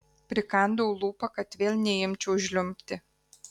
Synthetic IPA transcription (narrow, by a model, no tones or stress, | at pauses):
pʲɾʲɪkɐnd̪oːlˠuːpɐkɐt̪ʋʲeːlʲˠnʲɛjɪmʲt͡ʃʲɛʊʒʲlʲʊmʲpʲt̪ʲɪ